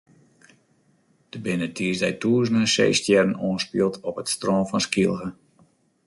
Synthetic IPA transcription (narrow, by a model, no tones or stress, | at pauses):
d̥əbɪnətʰiəsdɛjtuːəznəsḛːstjɛrənoːnspiəlˠtʰɔpətstroːnfɔnskilˠɣə